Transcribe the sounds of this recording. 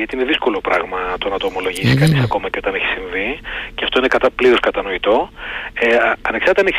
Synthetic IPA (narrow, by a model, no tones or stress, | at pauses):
ɐt̪iineðisko̞lopɾɐ̰ɣmɐt̪o̞nɐt̪o̞ːmolo̞ʝisikɐnisɐko̞mɐceo̞t̪ɐneçi̥siɱviceɐft̪oine̞kɐt̪ɐpliɾoskɐt̪ɐno̞it̪o̞eɐneksɐɾt̪eɐneçi